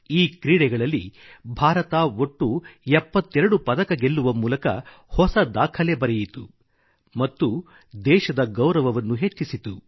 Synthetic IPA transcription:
iːkɾiːɽɛɡɐɭɐlːḭ | bʱaːɾɐt̪aːoʈːuɛpːɐt̪ːɛɾɐɽupɐd̪ɐkɐɡe̞lːuʋɐmuːlɐkɐ̰ | hɔsɐd̪aːkʰɐlebɐɾɛjit̪u | mɐt̪ːu | d̪ɛːʃɐd̪ɐɡɐwɾɐʋɐʋɐnːuɦe̞t͡ʃːisit̪u

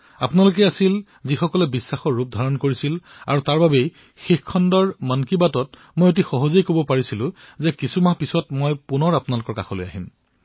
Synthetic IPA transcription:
a̰punalʊkɛasil | zixɔkɔlɛbisːaxɔɹːup̚dʱaɹɔnkoɹisila̰ɹutaɹbabej | xixkʰːɔndɔɹmankibatɔt | mojot̬ixɔɦɔzejkobɔpaɹisilʊ̃zɛkisumaɦpisɔtmojpunɔɹapʊunalʊkɔɹkaxʰɔlo̰ja̰ɦim

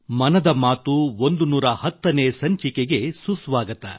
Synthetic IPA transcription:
mɐnɐd̪ɐmaːt̪uo̞nd̪unuːɾɐhɐt̪ːɐneːsɐɲt͡ʃikeɡe̞susʋaːɡɐt̪ɐ̰

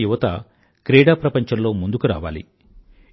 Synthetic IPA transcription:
juʋɐt̪ɐ | kɾeːɽaːpɾɐpɐɲt͡ʃɐmlo̞ːmund̪ukuɾa̰ːʋa̰ːlḭ

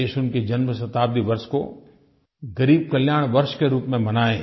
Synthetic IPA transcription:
eːʃʊnked͡ʒɐnməs̬ɐt̪aːb̚d̪iʋɐɾʃko̰ | ɡɐɾiːb̚kɐljaːɽ̃ʋɐɾʃkeɾuːpmẽmɐnaːẽ

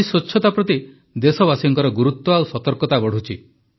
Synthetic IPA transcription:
isot͡ʃʰːɔt̪apɾɔt̪i | d̪esɔbasiŋkɔɾɔɡuɾut̪ːɔawsɔt̪ɔɾkɔt̪abɔɽ̤ut͡ʃʰi

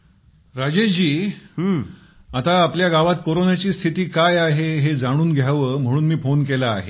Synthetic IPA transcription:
ɾad͡ʑeɕd͡ʑiː | at̪aːpljaɡaʋat̪koɾonat͡ɕiːst̪ʰit̪iːkajaɦeɦed͡zaɽ̃uːnɡʱjaʋəm̤əɽ̃uːnmiːfonkelaːɦe

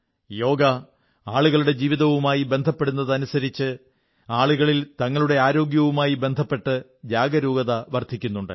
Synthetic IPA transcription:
jo̞ːɡɐ | aːɭuɣɐɭuɽe̞d͡ʑiːʋiðɐʋumaːjibe̞nd̪ʱɐpːe̞ɽunːɐðɐnusɐɾit͡ɕːɨ | aːɭuɣɐɭilt̪ɐŋːɐɭuɽe̞aːɾo̞ːɡjɐʋumaːjibe̞nd̪ʱɐpːe̞ʈːɨ | d͡ʑjaːɡɐɾuːɡɐðɐʋɐrd̪ʱikʲːunːuɳɖɨ̰

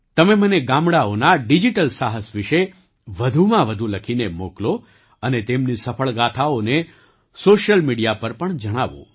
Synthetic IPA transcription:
t̪əmeməneɡãmɽaonaɖid͡ʒiʈəlsaɦəsʋiʃe | ʋəd̪ʱumãʋəd̪ʱuləkʰinemoklo | ənet̪emnisəfʰəɭɡat̪ʰaone | soʃjəlmiɽijapəɾpəɳd͡ʒəɽ̃aʋõ̰

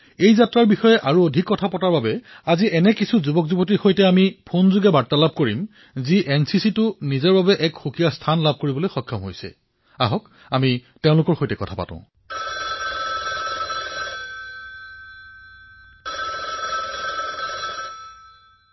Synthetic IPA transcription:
ejzatɹaɹbixɔjɛʔaɹuodʱikːɔtʰapɔtaɹbabɛaziʔɛnɛkisʰuzubɔkzubɔt̬ixojtɛamipʰonzuɡɛbatːalab̚koɹim | ziʔɛnsisitʊnizɛɹbabɛʔɛkxukijastʰanlab̚ʱkoɹibɔlojxɔkʰːɔmɦojsɛ̰ | a̰ɦɔk | amiteʊ̃lʊkɔɹxojtɛkɔtʰapa̰tã̰ʊ̃

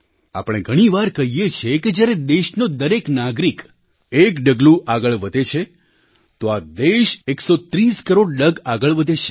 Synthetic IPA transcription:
a̰pɽ̃eɡʱəɽ̃iʋaɾkəɦijet͡ʃʰeked͡ʒjaɾed̪eʃnod̪əɾeknaɡɾik | ekɖəɡlũʔaɡəɭʋəd̪ʱet͡ʃʰe | t̪oad̪eʃeksot̪ɾiskəɾoɽɖəɡaɡəɭʋəd̪ʱet͡ʃʰe̥

